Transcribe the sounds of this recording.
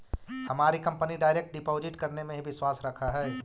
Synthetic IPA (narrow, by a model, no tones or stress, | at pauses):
hɐmaːɾikɐ̃mpəniɖaːɪɾek̚ʈ̚ɖɪpoːzɪʈkɐɾnemẽɦibɪswaːsɾɐkʰaɦɛː